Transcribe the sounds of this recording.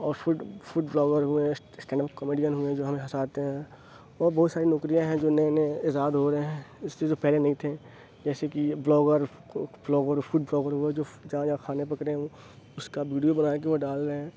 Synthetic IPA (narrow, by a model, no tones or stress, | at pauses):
ɔːɾfʊɖfʊɖblɔːɡəɾɦʊẽ | sʈɛ̃ːɳɖəp̚kəmiːɖijənɦʊẽd͡ʒoːɦɐmẽɦɐsaːt̪eɦɛ̃ | ɔːɾbɔːt̪saːɾinɔkɾijãɦɛ̃d͡ʒoːneneɪzaːd̪ɦoɾɐeɦɛ̃ɪsːed͡ʒoːpɛɦlenɐɦĩt̪ʰe | d͡ʒɛːsekiblɔːɡəɾ | blɔːɡəɾfuɖ̚blɔːɡəɾɦʊed͡ʒoːd͡ʒɐɦãd͡ʒãkʰaːnepɐkɾeɦɛ̃o | ʊskaʋiːɖijobɐnaːk̬eʋoɖaːlɾɐɦẽː